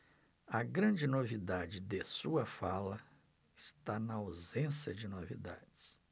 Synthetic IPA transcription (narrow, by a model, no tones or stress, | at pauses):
ɐɡɾɐ̃d͡ʒɪnovid̪ad͡ʒɪd̪esuɐfalɐ | ɪst̪anɐawzẽsjɐd͡ʒɪnovḭd̪a̰d͡ʒɪs